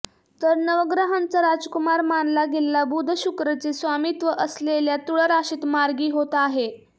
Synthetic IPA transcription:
t̪əɾnəʋəɡɾaɦant͡saɾad͡zkumaɾmanlaɡellabud̪ʱəɕukɾət͡sesʋamit̪ʋəʔəsleljat̪uɭəɾaɕiːt̪maɾɡiːɦot̪aɦe

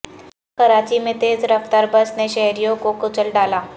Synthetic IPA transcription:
kəɾat͡ɕiːmet̪ed͡zɾəft̪aɾbəsneɕəɦɾijokokut͡səlɖala

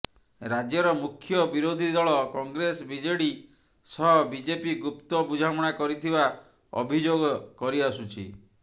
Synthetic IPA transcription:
ɾad͡ʒjɔɾɔmukʰːjɔbiɾod̪ʱid̪ɔɭɔkɔŋɡɾesbid͡ʒeɽi | sɔɦɔbid͡ʒepiɡupt̪ɔbud͡ʒʱamɔɽ̃akɔɾit̪ʰiba | ɔ̰bʱid͡ʒoɡɔkɔɾiasut͡ʃʰḭ

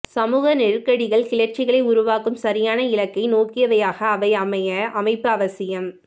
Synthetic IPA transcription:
sɐmuːɣɐnɪrkːɐɽɪɣɐɭkɪɭɐrt͡ʃɪɣɐɭɐɪʊɾʊʋaːkːɯmsɐɾɪjaːnɐɪlɐkːɐɪnoːkːɪjɐʋɐjaːɣɐːʋɐɪɐmɐjɐʔɐmɐɪpːɯɐʋɐsɪjɐm

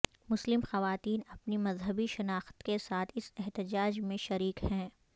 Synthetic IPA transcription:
mʊslɪmxɐʋaːt̪iːnɐpnimɐzɦəbiʃɐnaːxt̪kesaːt̪ʰɪsɛɦt̪ɪd͡ʒaːd͡ʒmẽʃɐɾiːkhɛ̃ː

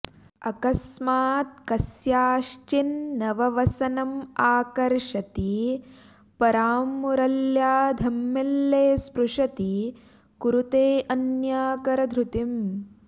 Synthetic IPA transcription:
ɐkɐsmaːt̪̚kɐsjaːʂt͡ʃinːɐʋɐʋɐsɐnɐmaːkɐɾʂɐt̪i | pɐɾaːmːuɾɐljaːd̪ʱɐmːelːeːspɾuʂɐt̪i | kuɾut̪eːʔɐnjaːkɐɾɐd̪ʱɾut̪im

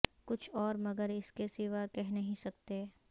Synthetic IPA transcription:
kʊt͡ʃʰɔːɾmɐɡəɾɪskeseːʋakɛɦnɐɦĩsɐk̚t̪eː

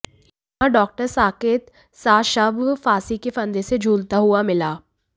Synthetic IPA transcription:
j | ɦãɖɔːk̚ʈəɾsaːkeːt̪ | saːʃɐbʱfaːsikefɐ̃nd̪esed͡ʒʱuːlt̪aɦuamɪlaː

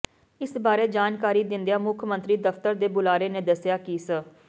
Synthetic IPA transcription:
ɪsbaːɾeːd͡ʒaːnkaːɾiːd̪ɪ̃nd̪ejaːmʊkʰmə̃nt̪ɾiːd̪əft̪əɾd̪eːbʊlaːɾeːnẽːd̪əsjaːkiːsə

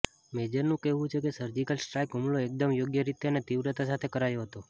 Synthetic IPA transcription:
med͡ʒəɾnũkeɦʋũt͡ʃʰekesəɾd͡ʒikəlsʈɾajkɦumɭoek̚d̪əmjoɡjəɾit̪eənet̪iʋɾət̪asat̪ʰekəɾajoɦət̪o

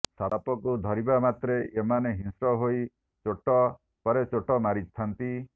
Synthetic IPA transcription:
salapɔkud̪ʱɔɾibamat̪ɾeʔemaneɦĩnsɾɔɦoj | t͡ʃoʈɔ | pɔɾet͡ʃoʈɔmaɾist̪ʰant̪i

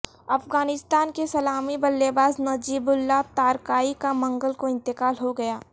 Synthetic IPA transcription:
ɐfɡaːnɪst̪aːnkesɐlaːmibɐlːebaːznɐd͡ʒiːbʊlːat̪aːɾkaːikamɐ̃ŋɡəlkoɪ̃nt̪ɪkaːlɦoɡɐjaː

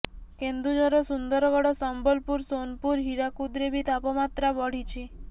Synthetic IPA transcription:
kend̪ud͡ʒɔɾɔsund̪ɔɾɔɡɔɽɔsɔmbɔlpuɾsonpuɾɦiɾakud̪ɾebʱit̪apɔmat̪ɾabɔɽ̤it͡ʃʰi

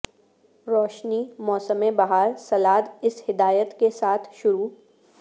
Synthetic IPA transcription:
ɾɔːʃnimɔːsəmẽbɐɦaːɾsɐlaːd̪ɪshɪd̪aːjət̪kesaːt̪ʰʃʊɾuː

